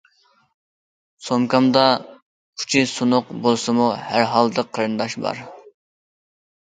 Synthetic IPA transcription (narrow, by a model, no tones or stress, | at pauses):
somkʰɑmd̪ɑ | kʰu̥t͡ʃʰɪsunʊqbolˠsɨmuhæɾɦɑlˠd̪əqʰːəɾɨnd̪ɑʃbɑ̰ɾ